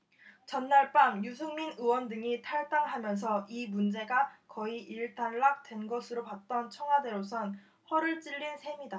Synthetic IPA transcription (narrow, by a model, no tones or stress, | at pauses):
t͡ɕʌnːaɭp͈aŋjus̬ʰuŋminɯwʌndɯŋitʰaɭt͈aŋɦamjʌns̬ʰʌimund͡ʑe̞ɡakʌiiɭtʰanːak̚twe̞nɡʌsʰɯɾopat̚t͈ʌnt͡ɕʰʌŋɦwade̞ɾosʰʌn | ɸwʌɾɯɭt͡ɕ͈iʎːinsʰe̞mida